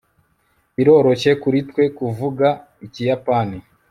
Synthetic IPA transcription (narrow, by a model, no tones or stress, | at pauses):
iɾo̞ːɾo̞ce̞kuɾitkwe̞kuvuɡa | icijapani